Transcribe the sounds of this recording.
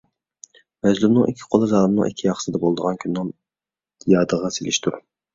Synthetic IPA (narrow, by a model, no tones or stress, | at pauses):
mɛzlumnɨŋikʲʰːi̥qʰolˠɨzɑːlˠmnɨ̰ŋikʲʰːijɑχə̥sɨd̪ɛbolˠd̪əʁɑnkʲʰynːɪŋ | jɑːd̪əʁɑselɪ̰ʃt̪ʰuɾ